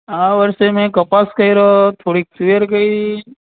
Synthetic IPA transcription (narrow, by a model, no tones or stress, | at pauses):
ãːʋəɾsemẽkɐpaskɐiɾot̪ʰoːɽiiəɾkɐi